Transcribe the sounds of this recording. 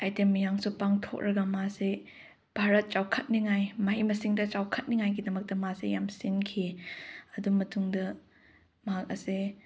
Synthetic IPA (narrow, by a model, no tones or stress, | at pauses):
ajtemːijaŋsupaŋtʰo̰k̚ɾɐɡɐmase | bʱaɾɐt̚t͡ʃawkʰɐt̚niŋajmɐhimɐsiŋdɐt͡ʃawkʰɐt̚niŋajɡidɐmɐk̚tɐmasejamsinkʰiɐdumɐtʰuŋdɐ | mɐɦak̚ɐ̰se